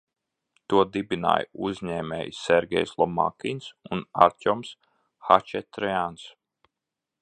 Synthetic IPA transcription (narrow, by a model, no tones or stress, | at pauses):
t̪uɔd̪ibina̰ːjuzʲɲɛːmʲɛ̰ːjsːɛɾɡʲɛ̰jslˠɔma̰kʲinsunaɾt̪ʲɔms | hat͡ʃɛt̪ɾɛans